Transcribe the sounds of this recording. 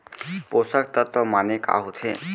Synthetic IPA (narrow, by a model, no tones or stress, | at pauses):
posək̚t̪ət̪ɔmaneka̰ɦut̪ʰe